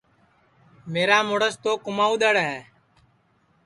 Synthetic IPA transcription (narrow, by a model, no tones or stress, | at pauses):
meːɾaːmoːɽəst̪oːkʊmaːuːɗ̪əɽɦɛː